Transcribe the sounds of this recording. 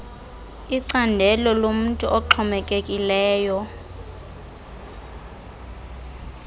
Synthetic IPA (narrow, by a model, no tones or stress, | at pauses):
iǀandʱɛlɔlom̩ntʼuʔɔǁʰɔmɛkʼekʼilɛːjɔ